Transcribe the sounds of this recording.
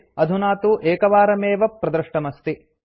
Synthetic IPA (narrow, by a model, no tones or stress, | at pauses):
ɐd̪ʱunaːt̪uʔeːkɐʋaːɾɐmeːʋɐpɾɐd̪ɾɨʂʈɐmɐst̪i